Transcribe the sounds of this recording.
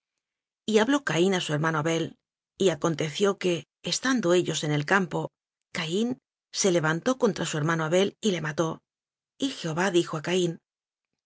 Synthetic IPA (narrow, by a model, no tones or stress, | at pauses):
iaβlo̞kainasue̞ɾmano̞aβe̞l | iako̞nt̪e̞θjo̞ke̞ː | st̪and̪o̞e̞ʎo̞se̞ne̞lkampo̞ | kain | se̞le̞β̞ant̪o̞ko̞nt̪ɾasue̞ɾmanoaβe̞lile̞mat̪o̞ | ixeo̞βaðixo̞akain